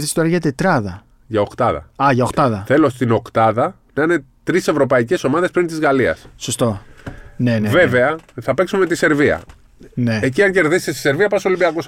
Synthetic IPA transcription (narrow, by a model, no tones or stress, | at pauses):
ðist̪oɾɐʝɐt̪e̞t̪ɾɐðɐ | ʝɐo̞kt̪ɐðɐ̰ɐʝɐoxt̪ɐðɐθe̞lo̞st̪ino̞kt̪ɐðɐ | nɐinet̪ɾise̞vɾo̞pɐice̞so̞mɐðe̞spɾint̪izɣɐliɐ̰ssost̪o̞nenve̞ve̞ɐθɐpe̞ksumeet̪ise̞ɾviɐ̰ | neeciɐɲɟe̞ɾðise̥t̪est̪i̥se̞ɾviɐpɐsolibiɐkus